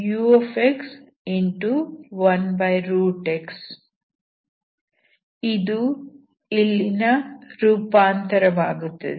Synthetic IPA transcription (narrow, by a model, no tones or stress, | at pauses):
juːofeks | iɳʈuʋɐnbɐjɾuːʈeks | id̪u | ilːinɐɾuːpaːnt̪ɐɾɐʋaːɡut̪ːɐd̪e